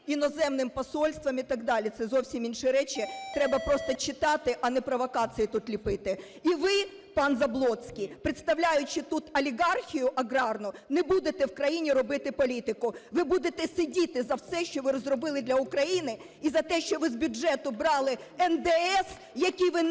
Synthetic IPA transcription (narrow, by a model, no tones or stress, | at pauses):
inɔzɛmnɪmpɔsɔlʲst̪ʋɐmit̪ɐɡd̪ɑlʲit̪sɛzɔwsʲimʲinʃɪɾɛt͡ʃɪt̪ɾɛbɐpɾɔst̪ɔt͡ʃɪt̪ɑt̪ɪʔɐnɛpɾɔʋɔkɑt͡sʲɨjit̪ut̪lʲipɪt̪ɪ | iʋɪ | pɑnzɐblˠɔsʲkʲijpɾɪt̪st̪ɐwlʲajʊt͡ʃɪt̪ut̪ɐlʲiɡɑrxʲijʊʔɐɡɾɑrnʊnɛbud̪et̪ɛwkɾɐjinʲiɾɔbɪt̪ɪpɔlʲit̪ɪkʊʋɪbud̪et̪ɛsɪdʲit̪ɪzɐwsɛʃt͡ʃɔʋɪɾɔzrɔbɪlˠɪd̪lʲɐʊkɾɐjinɪ | izɐt̪ɛʃt͡ʃɔʋɪzbʲʊɛt̪ʊbɾɑlˠɪ | ɛnd̪ɛɛs | jɐkʲijʋɪ